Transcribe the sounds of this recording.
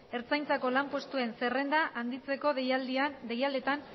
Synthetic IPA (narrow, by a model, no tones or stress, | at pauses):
e̞ɾt͡sajnt͡sako̞lampo̞st̪ue̞nse̞re̞nd̪aʔand̪it͡se̞ko̞ðejald̪iand̪e̞jald̪et̪an